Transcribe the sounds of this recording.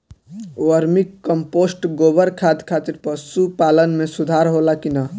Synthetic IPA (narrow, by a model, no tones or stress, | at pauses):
wəɾmikːəmposʈɡoːbəɾkʰat̪kʰaːt̪iɾpəsupaːlənmẽsud̪ʱaɾɦolakina